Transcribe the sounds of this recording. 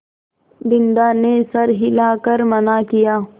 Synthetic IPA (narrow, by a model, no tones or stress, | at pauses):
b̪ɪnd̪aːnesɐɾɦɪlaːkɐɾmɐnaːkijaː